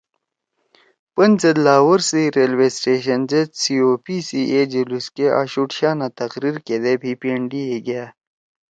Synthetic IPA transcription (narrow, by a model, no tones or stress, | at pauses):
pɐnzed̪laːwɐɾsiɾelwesʈeːɕɐnzet̪sioːpisiʔed͡ʑeluskeʔa̰ːɕuʈɕaːnat̪ɐqɾiɾked̪ebiːpieɳɖieɡɐjaː